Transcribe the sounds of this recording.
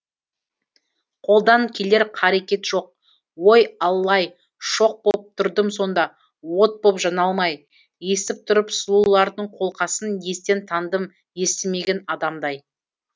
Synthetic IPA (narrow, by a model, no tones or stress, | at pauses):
qʰo̞lˠd̪ɑŋkʲʰe̞le̞ɾqʰɑɾe̞kʲe̞t̪ʒ̥o̞q̚ | wo̞jɑlˠːɑj | ʃo̞q̚bo̞p̚t̪ʰʊɾd̪əmso̞nd̪ɑ | wo̞t̪̚bo̞pʒɑnɑlˠmɑj | je̞st̪ɪp̚t̪ʰʊɾəpsʊlˠulˠɑɾd̪əɴqʰo̞lˠqɑsənje̞st̪e̞nt̪ʰɑnd̪əm | je̞st̪ɪme̞ɡʲe̞nɑd̪ɑmd̪ɑj